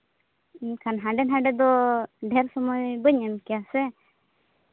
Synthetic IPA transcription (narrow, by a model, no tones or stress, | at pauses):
kʰanɦãɖɛnɦãɖɛd̪ɔɖʱɛɾsɔmɔjbəɲənkiasɛ